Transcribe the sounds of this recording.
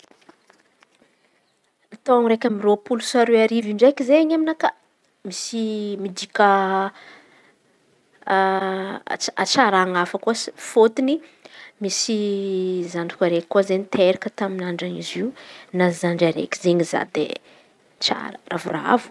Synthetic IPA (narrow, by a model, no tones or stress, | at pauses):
at̪owaŋɾekʲəmiropulusaɾeaɾiviɳɖ͡ʐekizeɲaminaka | misimid̪ikʲa | at͡ʃaɾaŋafakuasfot̪inimisi | zanikaɾekkːuzenit̪ʰeɾikət̪aminaɳɖ͡ʐanḭziunazaɳɖ͡ʐaɾḛki̥zeɲiza̰d̪ḛ | t͡ʃa̰ɾəravura̰a̰vu̥